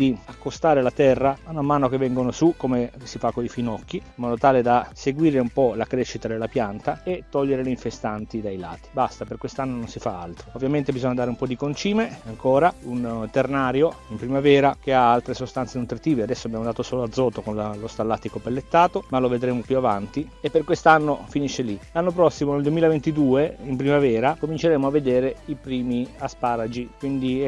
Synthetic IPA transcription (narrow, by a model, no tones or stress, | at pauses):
d̪iakːost̪aːɾelat̪ɛrːamanamːaːnokevːɛŋɡonosukomesifakːoifinɔkːiimɔːd̪ot̪aːled̪aseɡwiːɾeumpɔlakɾeʃːit̪ad̪elːapjant̪aet̪ːɔʎːeɾeleiɱfest̪ant̪id̪ajla̰ːt̪i̥bast̪aperkwest̪anːononsifaa̰lt̪ɾoovːjament̪ebizoɲːad̪aːɾeumpɔd̪ikont͡ʃiːmeaŋkoːɾaunt̪ernaːɾjoimpɾimavɛːɾak̟eaalt̪ɾesost̪ant̪senut̪ɾit̪iːvead̪ɛsːoabjamod̪aːt̪osoːload̪zːɔːt̪okonlost̪alːat̪ːikopelːet̪ːaːt̪omaloved̪ɾeːmopjuavant̪i | epːerkwest̪anːofiniʃːelilanːopɾɔsːimoneld̪uemiːlavent̪id̪uːeimpɾimavɛːɾakomint͡ʃeɾeːmoavːed̪eːɾeipɾiːmiaspaːɾad͡ʒikwind̪i